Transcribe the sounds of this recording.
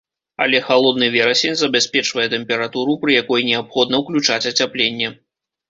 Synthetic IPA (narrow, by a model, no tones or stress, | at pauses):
ɐ̰lʲɛxalˠɔd̪nɨvʲɛɾɐsʲenʲzɐbʲasʲpʲɛt͡ʂvɐjɛt̪ɛmpʲɛɾat̪uɾupɾɨjakɔjnʲɛapxɔd̪nɐwklʲut͡ʂat͡sʲɐt͡sʲaplʲenʲːɛ